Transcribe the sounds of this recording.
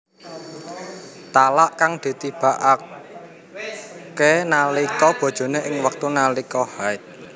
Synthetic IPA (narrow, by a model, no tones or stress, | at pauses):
t̪alaʔkaŋd̪̥e̤t̪ib̥a̤ʔa | kenalikɔb̥ɔ̤d̥ʒ̥o̤neʔɪŋwək̚t̪unalikɔhaɪt̪̚